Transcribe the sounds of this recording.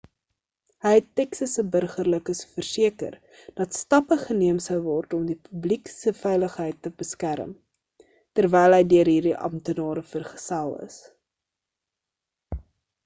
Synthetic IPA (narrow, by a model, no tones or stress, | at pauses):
ɦəjɦɛtːɛksəsəbərχərləkəsfərsiəkə̰r | d̥ɐtstɐpəχəniəmsəwvɔrtɔmdipybliksəfɛjləχɦəjtːəb̥əskæɾə̰m | tərvɛjlˠɦəjdyərɦirdiʔɐ̰mtənɑːɾəfərχə̥sælˠə̰s